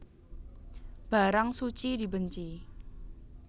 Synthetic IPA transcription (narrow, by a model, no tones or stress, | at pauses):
b̥a̤ɾaŋsut͡ʃid̪i̤bəɲt͡ʃi